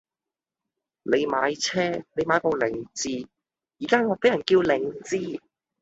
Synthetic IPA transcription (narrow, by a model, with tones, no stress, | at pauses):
ne˨˧jmaː˨˧jt͡sʰɛː˥ne˨˧jmaː˨˧jpo˧lɪ˨˩ŋt͡siː˧ | jiː˨kaː˥ŋɔː˨˧t̪e˨˥jɐ˨˩nkiː˧wlɪ˨˩ŋt͡siː˧